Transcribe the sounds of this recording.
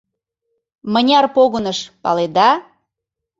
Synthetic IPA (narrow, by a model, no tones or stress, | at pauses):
mənʲɑrpoɣənəʃpɑ̰led̪ɑ